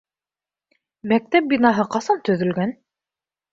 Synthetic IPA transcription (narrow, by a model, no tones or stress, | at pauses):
mæk̚t̪æp̚binɑɦɤqɑsɑnt̪ɵ̆ðɵ̆lɡæn